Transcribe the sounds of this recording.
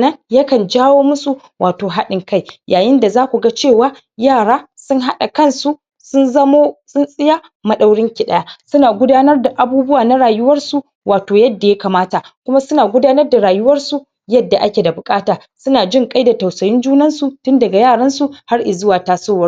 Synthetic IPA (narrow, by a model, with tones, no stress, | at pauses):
nɐ˦nja˦kɐ˨nd͡ʒaː˦woː˦mʊ˦su˨ | wʔaː˨toː˨ɦa˦ɗɪ˨ŋka˦˨jjʔaː˨jɪ˦nda˨zaː˦kʷu˨ɡa˦t͡ʃeː˦˨waː˦ | jaː˦˨ɽaː˦sʊ˦ŋɦa˦ɗa˨kɐ˦˨nsu˦ | sʊ˦nzɐ˦moː˦sʊ˦nsʼɪ˦ja˦ | mɐ˦ɗa˦wɽɪ˦ŋkʲɪ˨ɗa˦ja˦sʊ˦naː˨ɡʷʊ˦daː˦nɐ˦rda˨ʔa˨buː˦bʊ˦waː˨na˦ɽaː˨jʊ˦wɐ˦rsu˨ | waː˨toː˨jɐ˦dːa˨ja˦kaː˨maː˦ta˨kʷʊ˦ma˦sʊ˦naː˨ɡʷʊ˦daː˦nɐ˦rda˨ɽaː˨jʊ˦wɐ˦rsu˨ | jɐ˦dːa˨ʔa˦kʲe˨da˨bʊ˨kʼaː˦taː˨ | sʊ˦naː˨d͡ʒɪ˦ŋkʼa˦jda˨ta˨wsɐ˨jɪ˦nd͡ʒuː˦nɐ˦nsu˨tʊ˦ndɐ˨ɡa˨jaː˦˨ɽɐ˦nsu˨ha˦rʔɪ˨zʊ˦waː˨taː˦soː˦wɐ˦